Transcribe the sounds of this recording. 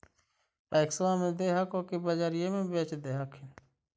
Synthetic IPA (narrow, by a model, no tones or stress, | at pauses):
paːjksãːmẽːd̪eːɦakoːkeːbad͡ʒaːɾjemẽːbeːt͡ʃd̪eːɦakʰɪn